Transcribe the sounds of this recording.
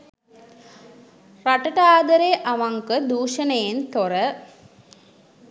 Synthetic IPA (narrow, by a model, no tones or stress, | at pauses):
rɐʈːɐʈaːd̪ɐɾeʔɐʋɐŋkɯd̪uːʂɐnɐjɪnt̪ɔɾɐ